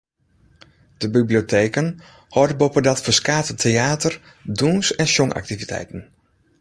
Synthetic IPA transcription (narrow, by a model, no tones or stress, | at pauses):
d̥əbibliotʰeːkən | hɔrdəbopədatfəskaːtətʰeaːtər | duːnsɛnsɔŋʔa̰k̚tivitʰɛ̰jtən̩